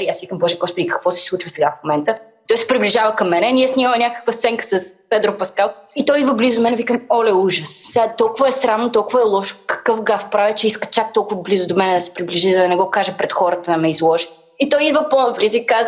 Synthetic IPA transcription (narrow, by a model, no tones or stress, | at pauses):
ɾijasivikəmbɔʒiɡɔspod̪ikɐ̥kvɔsɛ̥slˠut͡ʃvəsɛɡafmomɛnt̪ə | t̪ɔjsɛ̥pɾiblʲiʒavəkɐmːɛnɛnʲiɛsnʲiməmɛnʲakə̥kvəst̪sɛŋkə̥sɐspɛd̪ɾopɐskalˠit̪ɔid̪vəblizʊd̪mɛnɛvikəmɔlɛuʒəssɛat̪ɔlˠkʊvəɛsɾamnʊt̪ɔlˠkʊvɐɛlˠɔʃkɐ̥kɤfɡafpɾavʲət͡ʃɛiskə̥t͡ʃak̚t̪ɔlˠkʊvəblizʊd̪omɛnɛd̪ɐsɛ̥pɾibliʒizɐd̪ɐnɛɡɔkaʒəpɾɛt̪xɔɾət̪əd̪ɐmɛizlˠɔʒi | it̪ɔjid̪vəponplʲizikaz